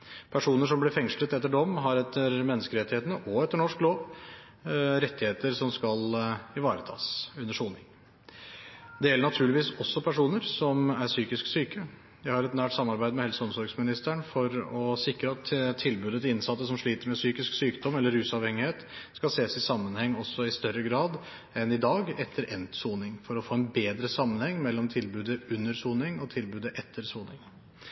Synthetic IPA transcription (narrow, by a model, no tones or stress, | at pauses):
pʰæʂuːnəʂ̬ɔmblɪfɛŋslət̪ɛt̪ːəɖɔmɦɑɾɛt̪ʰːəɾmɛnːəskəɾɛt̪ːɪheːt̪ənəʔɔɛt̪ːəɳɔʂkloːʋ | ɾɛt̪ːɪheːt̪əɾsɔmskɑlɪʋɑːɾət̪ʰɑ̰ːsʉnːəʂuːnɪŋ | d̪ɛjɛlːəɳɑt̪ʰʉːɭlɪʋiːsɔsːɔpʰæʂuːnəɾsɔmæɾsyːkɪsksyːkə | jæɪhɑɾɛt̪næːʈsɑmːɑɾbæɪd̪mɛhɛlsəɔmsɔɾɡsmɪnɪst̪æɳfɔɾɔsɪkɾəɑt̪t̪ʰːɪlbʉːd̪ət̪ʰɪlɪnsɑt̪ːəsɔmʂɭiːt̪əɾmɛsyːkɪsksyːkd̪ɔmɛlːəɾːʉːsɑʋhɛŋːɪheːt̪skɑlseːsɪsɑmːənhɛŋːɔsːɔɪst̪œɾəɡɾɑːd̪ | ɛnɪd̪ɑːɡɛt̪ʰːəɾʔɛnt̪suːnɪŋfɔɾɔfoːɛnbeːd̪ɾəsɑmːənhɛŋːmɛlːɔmt̪ʰɪlbʉːd̪əʉnːəɾsuːnɪŋɔt̪ʰɪlbʉːd̪əʔɛt̪ʰːəɾsuːnɪŋ